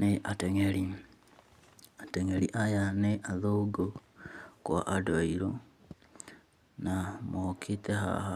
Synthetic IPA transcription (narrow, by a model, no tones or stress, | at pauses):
neʔateŋeɾi | ateŋeɾiʔajaneʔaðoɡokwa̰ʔadaiɾo | namokʰiteɦa̰ha